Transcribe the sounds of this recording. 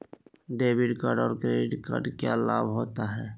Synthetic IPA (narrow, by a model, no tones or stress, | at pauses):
ɖeːbɪɖkaɾɖɔːɾkɾeːɖɪʈkaɾɖkala̰ːbɦoːt̪aɦɛː